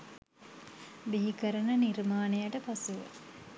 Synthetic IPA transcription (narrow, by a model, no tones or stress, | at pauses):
biɦikəɾənənirmaːnejaʈəpaseʋə̰